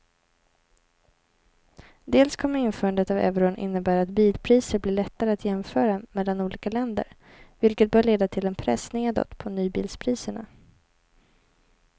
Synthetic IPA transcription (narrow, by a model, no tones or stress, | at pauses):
d̪eːlskʰɔmːəɾɪnfœːɾand̪ət̪avɛ̰vɾʊnʔɪ̰nːəbæːɾat̪̚biːlpʰɾiːsəɾblɪːɭɛt̪ːaɾəat̪ʰjɛmfœːɾameːlanuːliːkalɛnd̪ə̰ɾ | vɪlkət̪̚bœːɭeːd̪at̪ʰɪlɛnpʰɾɛsneːd̪ɔ̰t̪pʰɔnyːbḭːlspʰɾiːsəɳa̰